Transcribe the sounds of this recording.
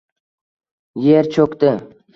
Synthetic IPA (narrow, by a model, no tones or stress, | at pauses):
jeɾt͡ʃʰokt̪ɪ